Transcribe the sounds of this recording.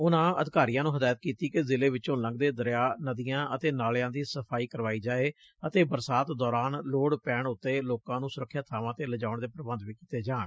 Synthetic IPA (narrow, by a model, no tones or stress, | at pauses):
ʊnãːə̰d̪ɪkaːɾiːjãːnũːɦəd̪aːjət̪kiːt̪iːkezɪleːʋɪt͡ʃõːlə̃ŋɡ̚d̪eːd̪əɾjaːnəd̪ijãːʔət̪eːnaːljãːd̪iːsəpʰaːiːkəɾʋaːiːd͡ʒaːeː | ət̪eːbəɾsaːt̪d̪ɔːɾaːnloːɽpɛːɳʊt̪ːeːloːkãːnũːsʊɾəkʰːjaːt̪ʰaːʋãːt̪eːləd͡ʒaːʊəɳd̪eːpɾəbənd̪ʋiːkiːt̪eːd͡ʒaː